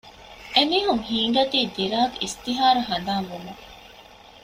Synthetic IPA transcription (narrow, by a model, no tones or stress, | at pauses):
ʔemiːɦuŋhiːɳ̆ɖɐt̪iːd̪iɾaːkist̪iɦaːɾuɦɐnd̪aːmumu